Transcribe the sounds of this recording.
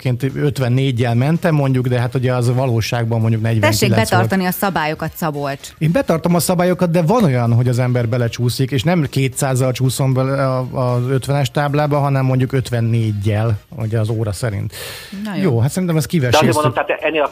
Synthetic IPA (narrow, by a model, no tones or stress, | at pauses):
kʰeːnt̪øt̪ʋɛnːeːɟːɛlmɛnt̪ɛmːo̞ɲɟuɡd̪ɛɦat̪uɟɛɒzvɒloːʃaːɡbɒmːo̞ɲɟuknɛɟt̪ɛɛŋkːelɛɛsɒrɒniɒsɒbaːjo̞kɒt̪sɒbolt̪eːmbɛt̪ɒrt̪o̞mɒsɒbaːjo̞kɒt̪̚d̪ɛvɒno̞jɒnɦo̞ɟɒzɛmbɛrbɛlɛt͡ʃuːsikeːʃnɛmkeːt̪saːzːɒlt͡ʃuːso̞mbɛɒzø̞t̪ʋɛnɛʃt̪aːblaːbɒɦɒnɛmːo̞ɲɟukø̞t̪ʋɛnːeːɟːɛl | uɟɛɒzoːɾɒsɛɾḭnt̪ | joːɦat̪sɛɾint̪ɛmɛskivɛʃɛeːmond̪omt̪aat̪ɛʔɛnːeːl